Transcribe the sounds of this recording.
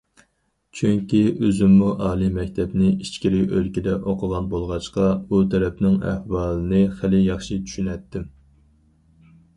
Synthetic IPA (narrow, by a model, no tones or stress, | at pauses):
t͡ʃʰyŋkʲiøzymːuʔɑːlˠimɛk̚ʲt̪ʰɛpnɪit͡ʃkʲiɾɪølkʲid̪ɛʔoqʰəʁɑnbolˠʁɑʃqɑbut̪ʰɛɾɛpnɪŋæ̰hwɑːlˠɨnɨχɪlɪjɑχʃit͡ʃ̪ʰy̥ʃynɛt̪ʰːɪm